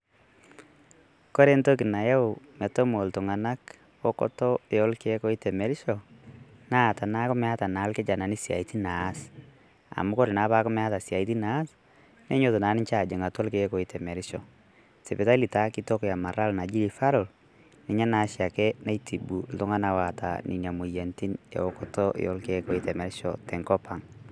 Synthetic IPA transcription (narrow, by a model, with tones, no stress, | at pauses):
ko˦ɾe˦nto˦kɪ˨na˨jɛ˦ʊ˨mɛ˨to˦mo˨ltʊ˨ŋa˨na˦k | o˦kɔ̰˦tɔ˦e˨ɔ˦lke˦ko˦i˦tɛ˨mɛ˨ɾɪ˦ʃɔ˨ | na˦˨ta˨na˦kʊ˦mɛ˦a˦ta˨na˨˦lkɪ˦d͡ʒa˨na˨ni˦sja̰˨i˦ti˦na˨˦s | a̰˨mʊ˦kɔ˦ɾɪ˨na˨˦pa˦kʊ˦mɛ˦a˦ta˨sja˨i˦t̬i˦naː˨˦s | nɛ˦ɲo˦˨to˨na˨˦nɪ˦ɲt͡ʃa˦˨d͡ʒe˨ŋa˨tɔ˦lke˦kɔ˨i˦tɛ˨mɛ˨ɾɪ˦ʃɔ˨ | sɛ˨pɛ˨ta˦li˨ta˦ki˦tɔ˦kja˨ma˨ɾa˦lna˨d͡ʒi˦ɾi˨fa˦ɾɔ˨l | nɪ˨ɲa˦na˨˦ʃja˨kɛ˦na˦jtʰi˨bu˨ltʊ˦ŋa˦na˨wa˨ta̰˨ni˨na˨mu˨jɛ˨nti˦njḛ˨o˨kɔ˨tɔ˦j̰ɔ̰˦lke˨˦kɔ˦i˦tɛ˨mɛ˨ɾɪ˦ʃɔ̰˨tɛ˨ŋkɔ˦pa˨ŋ